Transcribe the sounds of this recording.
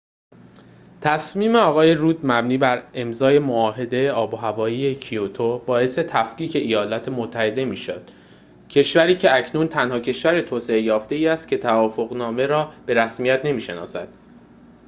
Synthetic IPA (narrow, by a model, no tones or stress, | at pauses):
t̪ʰæsmiːme̞ɒːɣɒːje̞ɾuːd̪mæbniːbæɾe̞mzɒːje̞moɒːɦe̞d̪e̞jeɒːboɦævɒːjiːjecʰiot̪ʰobɒːe̞se̞t̪ʰæfqiːcʰe̞ʔijɒːlɒːt̪ʰemot̪ʰːæhe̞d̪e̞miːʃo̰d̪̥ | cʰe̞ʃvæɾiːcʰe̞æcʰnuːnt̪ʰænhɒːcʰe̞ʃvæɾet̪ʰoːse̞ejɒːft̪e̞iːæst̪̚cʰe̞t̪ʰævɒːfoɣnɒːme̞ɾɒːb̥e̞ɾæsmijæt̪ʰne̞miːʃenɒ̰ːsæ̰d̪̥